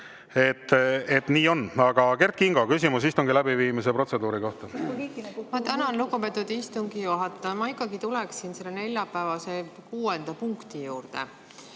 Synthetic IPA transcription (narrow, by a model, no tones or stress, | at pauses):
e̞t̪ːet̪niːo̞nːɑɡ̥ɑke̞rt̪̚kiŋɡokysʲimusist̪uŋɡ̥ilæbiviːmis̬epro̞t̪se̞d̪uːɾiko̞ht̪ɑ | mɑt̪ænɑnluɡupet̪ːˑud̪̥ist̪uŋɡ̥ijuɦɑt̪ːˑɑmɑikːˑɑɡit̪ulɛksinse̞lːene̞lʲjɑpˑæːvɑse̞kuːend̪̥ɑpuŋkt̪ijuːrd̪ḛ